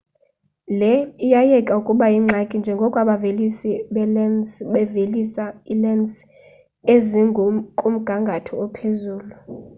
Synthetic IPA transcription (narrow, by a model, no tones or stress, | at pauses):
lɛijajɛkʼaukʼuɓajiŋ͡ǁʱakʼind͡ʒʱɛŋɡʱɔkʼwaɓavelisiɓɛlɛnsɓɛvelisailɛns | eziŋɡʱkʼum̩ɡ̥ʱaŋɡʱatʰɔɔpʰezuːlu